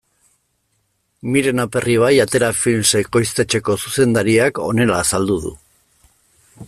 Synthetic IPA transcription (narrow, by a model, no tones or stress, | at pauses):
miɾe̞nape̞riβ̞ajat̪e̞ɾafilmseko̞jst̪e̞t͡ʃe̞ko̞suse̞nd̪aɾiako̞̰ne̞laːsald̪uðṵ